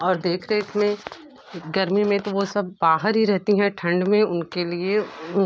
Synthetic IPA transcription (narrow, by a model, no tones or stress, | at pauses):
ɔːɾd̪eːkʰɾɐɦeɪsmẽ | ɡɐɾmimẽt̪oʋosɐb̚ːaːɦəɾɦiɾɛɦt̪iɦɛ̃ʈʰɐ̃ɳɖmẽʊnkelie